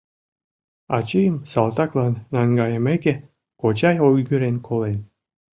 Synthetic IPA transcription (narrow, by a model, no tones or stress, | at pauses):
ɑ̰t͡ɕijəmsɑlˠt̪ɑklˠɑnːɑŋɡɑjəmeke | kot͡ɕɑjojɡyɾenkʰolen